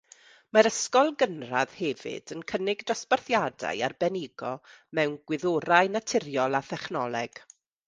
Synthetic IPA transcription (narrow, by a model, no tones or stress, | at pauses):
maɾəskɔlˠɡənra̰ð̥hɛvɪ̰dənkʰənɪɡdɔsparθjada̰jarbɛnɪɡɔmɛwnɡwɪðoɾajnatʰɪrjɔlˠaθɛχnɔlˠɛɡ̥